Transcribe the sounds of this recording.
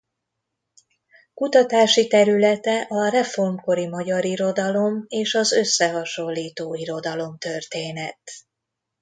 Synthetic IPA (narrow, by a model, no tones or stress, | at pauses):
kut̪ɒt̪aːʃit̪ɛɾylɛt̪ɛʔɒrɛfo̞rmko̞ɾimɒɟɒɾiɾo̞d̪ɒlo̞meːʃɒzø̞sːɛɦɒʃo̞lːiːt̪oːiɾo̞d̪ɒlo̞mt̪ø̞rt̪eːnɛt̪